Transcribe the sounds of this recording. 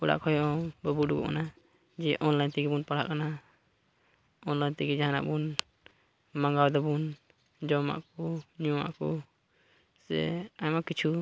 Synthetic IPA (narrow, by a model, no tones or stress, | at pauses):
uɽa̰ʔkʰɔjɔbɔbuɖuɡɔ̰ʔkana | d͡ʒɛʔɔnlajnt̪iɡibunpaɽa̰ʔkana | ɔnlajnt̪iɡid͡ʒaɦana̰ʔbun | maŋɡawd̪ɔbun | d͡ʒɔma̰ʔkɔɲuwa̰ʔkɔ | sɛ̰ajmakit͡ʃʰu